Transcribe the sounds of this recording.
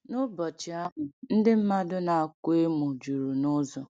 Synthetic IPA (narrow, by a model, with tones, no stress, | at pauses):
nʊ˦bɔ˨t͡ʃɪ˨a˦ɦʊ˨n̩˦dɪ˦m̩˦ma˦dʊ˦na˨a˨ke˦mu˨d͡ʒu˨ɾu˨nʊ˦zɔ˨